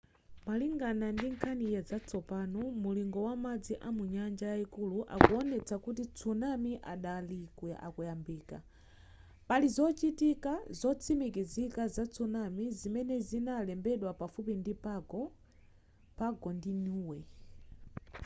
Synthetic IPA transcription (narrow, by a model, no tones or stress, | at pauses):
maliŋɡanandiŋkʰanijɛzat͡sɔpanɔmuliŋɡɔwamad͡ziʔamuɲand͡ʒajaikuluʔa̰kuɔnɛt͡sakut̬it͡sʰunamiʔaɗalikwɛʔa̰kujambiːka̰ | palizɔt͡ʃitikazɔt͡sʰimikizikazat͡sʰunamizimɛnɛzinalɛmbɛɗwapafup̬indipaɡɔ | paɡɔndiɲuwɛ